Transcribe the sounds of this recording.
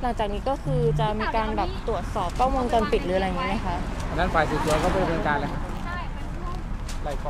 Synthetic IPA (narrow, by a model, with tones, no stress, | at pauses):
la˨˩ŋt͡ɕaː˨˩k̚niː˦˥kɔː˥˩kʰɯː˧t͡ɕa˨˩miː˧kaː˧nbɛː˨˩p̚t̪ɾu˨˩ət̪̚sɔː˨˩p̚kʰaː˥˩wmu˧ŋt̪ɔ˧npi˨˩t̪̚ɾɯː˩˦ʔa˧˩jŋiː˦˥ma˦˥˩kʰa˦˥ʔʰa˧nːa˦˥˩faː˨˩jsi˨˩t̪ʰi˨˩˦kɔ˥˩bɔ˧ɾmnɯ˧nkaː˧nlkʰa˦˥ | la˧˩kɔ˧